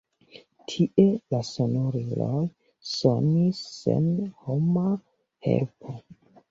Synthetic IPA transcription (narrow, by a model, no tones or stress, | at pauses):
tʰiʔelaso̞noɾilo̰j | sonisːḛnhoma | he̞̰lpʰo